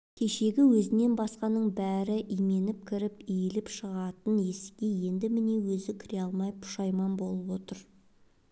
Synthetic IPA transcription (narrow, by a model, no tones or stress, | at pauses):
kʲʰe̞ʃe̞ɡʲɪwɵzɪne̞nbɑsqɑnəɴbæɾɪʔijme̞nɪp̚kʲʰɪɾɪpijelɪpʃəʁɑt̪əne̞sɡʲeje̞nd̪ɪmɪne̞wɵzɪkʲʰɪɾeɑlˠmɑjpʰʊ̥ʃɑjmɑnbo̞lˠəpwo̞t̪əɾ